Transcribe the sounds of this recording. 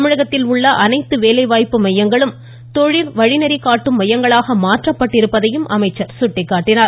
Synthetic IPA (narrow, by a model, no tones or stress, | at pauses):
mɪɻɐɣɐt̪ːɪlʊɭːɐʔɐnɐɪt̪ːɯʋeːlɐɪʋaːjpːɯmɐjɐŋɡɐɭɯm | t̪ɔɻɪlʋɐɻɪnɐɾikaːʈːɯmːɐjɐŋɡɐɭaːɣɐmaːʈrɐpːɐʈːɪɾɯpːɐðɐjɯmʔɐmɐɪt͡ʃːɐɾsʊʈːɪkːaːʈːɪnaː